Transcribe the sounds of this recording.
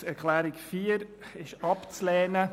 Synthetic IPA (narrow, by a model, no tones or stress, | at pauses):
æɾkχlæːɾɪkfiːəɾ | ɪʃɑpt͡slɛːnə